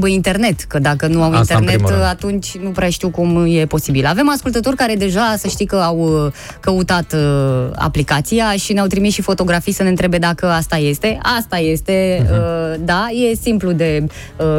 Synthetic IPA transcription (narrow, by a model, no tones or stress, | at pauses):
bəint̪e̞rne̞t̪kəd̪akənuawint̪ernet̪at̪unt͡ʃʲnupɾeaʃt̪iwkumje̞po̞sibilave̞maskult̪ət̪o̞rʲkaɾe̞d̪e̞ʒasəʃt̪ijkəaw | kəut̪at̪a̰plikat̪sijaʃineawt̪ɾimisʃifo̞t̪o̞ɡɾafijsəne̞ɨnt̪ɾebe̞d̪akəast̪aje̞st̪e̞ast̪aje̞st̪e̞əd̪aje̞simplud̪e̞ | ə